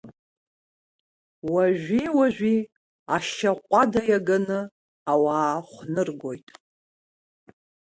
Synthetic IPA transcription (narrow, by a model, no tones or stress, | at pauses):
waʒʷᶣiwaʒᶣʷi | aʃaqʷʼadajaɡanɨ | awaːχʷnɨrɡo̞jtʼ